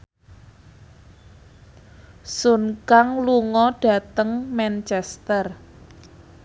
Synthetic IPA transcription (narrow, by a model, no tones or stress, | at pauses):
sunkaŋluŋɔɖ̥ä̤t̪əŋmɛnt͡ʃɛst̪ər